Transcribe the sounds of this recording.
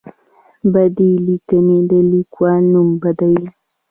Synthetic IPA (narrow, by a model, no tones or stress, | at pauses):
bad̪ilikəned̪əlikwalnumbɐd̪aj